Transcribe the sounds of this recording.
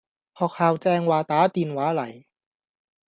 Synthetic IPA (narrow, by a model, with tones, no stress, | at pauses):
hɔː˨˩k̚haː˨˧wt͡sɛː˧ŋwaː˨˩t̪aː˨˥t̪iː˨nwaː˨˥lɐ˨˩j